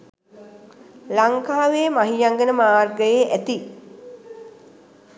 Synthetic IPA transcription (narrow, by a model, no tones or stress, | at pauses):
laŋkaːʋeːmaɦijaŋɡənəmaːrɡəjeʔæt̪i